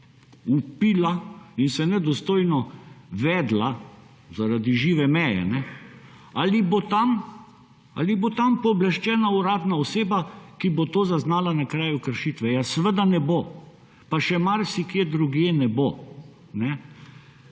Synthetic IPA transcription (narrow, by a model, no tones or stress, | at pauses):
upiːlainsɛnɛd̪ɔst̪oːjnɔʋɛːd̪la | zaɾad̪iʒiːʋɛmɛjɛ̰nɛ | alibot̪am | a̰libot̪ampɔblɛʃt͡ʃɛːnauɾaːd̪naɔseːbakibot̪oːzaznaːlanakɾaːjukəɾʃiːt̪ʋɛjasəʋəd̪anɛbo | paʃɛmaɾsikjeːd̪ɾuɡjenɛbo | nɛ